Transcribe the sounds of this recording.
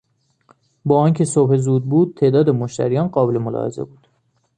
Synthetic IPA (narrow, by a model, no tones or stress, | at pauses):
bɒːɒːncʰe̞sobhe̞zuːd̪̚buːd̪̥̚t̪ʰe̞ːd̪ɒːd̪emoʃt̪æ̰ɾijɒːnɢɒːbelemolɒ̰hḛzḛbuːd̪̥